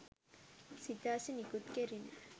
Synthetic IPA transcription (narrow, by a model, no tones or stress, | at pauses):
sit̪aːsinikut̪keɾina